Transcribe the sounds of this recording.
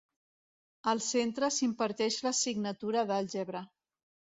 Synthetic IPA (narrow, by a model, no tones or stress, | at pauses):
əlˠsent̪ɾəsimpəɾt̪ɛʃləsiɡnət̪uɾəðəlʲʒɛβɾə